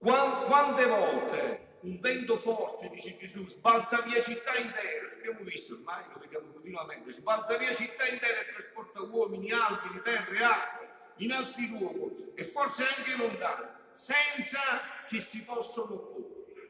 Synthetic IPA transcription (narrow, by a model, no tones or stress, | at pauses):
kwakwant̪evɔlt̪e | uɱvɛnt̪ʊfɔrt̪ɪd̪iːt͡ʃɪd͡ʒesusbalt̪saviːat͡ʃit̪ːaint̪ɛːɾapabjamʊvist̪ormajloved̪jamokont̪inwamɛnt̪ɪsbalt̪saviːat͡ʃit̪ːaint̪ɛɾɛt̪ːɾaspɔrt̪awɔːminialt̪init̪ɛrːeaɾe | inalt̪ɾilwɔːɡoɛfːɔrt̪seaŋkɪlond̪anɪsɛnt̪sak̟ɪsːipɔsːonopuːɾ